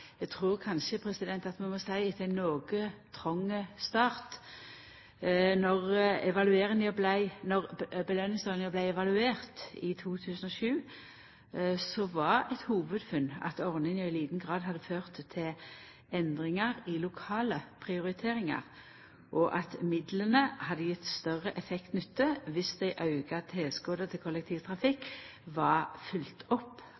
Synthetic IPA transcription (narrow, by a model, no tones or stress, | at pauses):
ɛɡt̪ʰʁuːʁkʰɑnʃəpʰʁɛsɪd̪ɛnt̪ɑt̪mɛmɔsæɪɪt̪ʰæɪnːoːɡət̪ʰʁɔŋːəst̪ɑːʁt̪ | nɔʁɛʋɑlʉeːʁəŋəblæɪnɔʁbəlœnːɪŋsɑʁnəblæɪɛʋɑlʉeːʁt̪ɪt̪ʰuːt̪ʰʉːsənɔʃʉː | sɔʋɑʁɛt̪huːʋəd̪fʉnːɑ̰t̪ɔʁnɪŋæɪliːd̪n̩ɡʁɑːd̪ɦɑd̪ːəføːʁt̪ʰːɪl | ɛnd̪ʁɪŋɑʁɪlʊkʰɑːləpʰʁɪʊʁɪt̪ʰeːʁɪŋɑ̰ʁ | ʔɔʔɑt̪mɪd̪lənəhɑd̪ːəjɪt̪st̪œʁəʔɛfɛkt̪nʏt̪ːəʋɪsd̪æɪʔɑʉɡɑt̪ʰeːlskoːd̪ət̪ʰɪlkʰɔlɛk̚t̪ʰiːʋt̪ʰʁɑfɪkːʋɑʁfʉlt̪ʰɔpː